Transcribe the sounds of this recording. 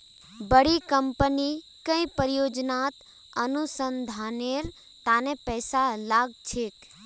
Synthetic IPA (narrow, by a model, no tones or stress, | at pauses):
bəɽikəmpəni | kə̃ĩpəɾjod͡ʒnat̪ | ənusənd̪ʱaneɾ | t̪anepɛːsalaɡt͡ʃʰek